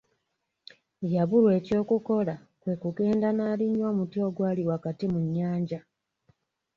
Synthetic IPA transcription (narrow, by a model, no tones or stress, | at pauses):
jaβulwe̞ːco̞ːkuko̞la | kwe̞ːkuɡe̞ːndanaːliɲːoːmutjo̞ːɡwaːliwakatimuɲːaːɲɟa